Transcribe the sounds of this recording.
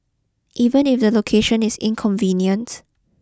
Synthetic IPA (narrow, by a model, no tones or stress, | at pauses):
ʔiːvə̃nɪfdəlokʰeʃə̃nɪsɪ̰̃nkʰɔ̃ɱvĩnjə̃nt